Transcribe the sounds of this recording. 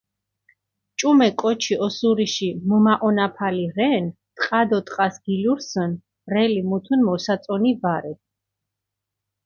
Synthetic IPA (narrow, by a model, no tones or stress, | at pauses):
t͡ʃʼumɛkʼɔt͡ʃʰiɔsuɾiʃimɔmaʔɔnapʰaliɾɛn | t̪ʼqʼad̪ɔt̪ʼqʼasɡ̥iluɾsən | ɾɛlimut̪ʰunmɔsat̪sʼɔnivaɾɛt̪̚